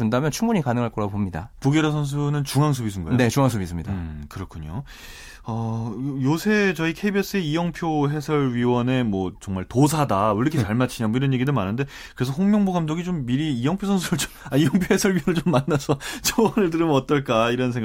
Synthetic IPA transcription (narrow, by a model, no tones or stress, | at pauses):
undamjʌnt͡ɕʰuŋbuɲikanɯŋɦaɭk͈ʌɾapomɲida̰puɡeɾas̬ʰʌns̬ʰunɯnt͡ɕuŋɦaŋsʰobisʰɯnɡʌ̰eet͡ɕuŋaŋsʰobis͈ɯmɲidakɯɾʌkʰuɲo | ʌjosʰe̞t͡ɕʌikʰe̞ibes͈ɯeijʌŋpʰjoɦe̞sʰʌɭɥiwʌne̞mwʌt͡ɕʌŋmaɭtos̬ʰadaɯɾʌkʰet͡ɕaɭmat͡ɕʰiɲamoiɾʌnje̞ɡidomanɯnde̞ | kɯɾe̞sʰʌɸoŋmjʌŋboɡamdoɡit͡ɕomːiɾiːjʌŋpʰjosʰʌnsʰuɾɯɭt͡ɕomaijʌŋpʰjohe̞sʰʌɭɥiwʌnɭt͡ɕomːanːasʰʌt͡ɕʰowʌnɯɭt̬ɯɾɯmʌt͈ʌɭk͈aiɾʌnsʰe̞ŋɡ